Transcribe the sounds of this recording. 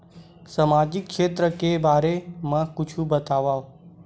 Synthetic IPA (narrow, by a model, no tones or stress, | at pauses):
səmad͡ʒɪkːʃet̪ɾəkebaːɾemãkʊt͡ʃʰũbət̪aʋao